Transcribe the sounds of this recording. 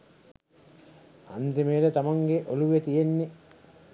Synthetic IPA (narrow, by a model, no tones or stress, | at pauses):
a̰nd̪imejːlət̪amaŋɡeʔoluʋet̪ijenːe